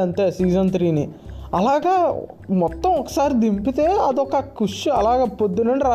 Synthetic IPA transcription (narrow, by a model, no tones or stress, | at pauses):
ɐnt̪eːsiːd͡ʒɐnt̪ɾiːni | ɐlaːɡaː | mɔt̪ːɐ̃mɔkɐ̥saːɾid̪impit̪eːɐd̪ɔkɐkuʂiɐlaːɡaːpod̪ːunɐɳɖiɾaː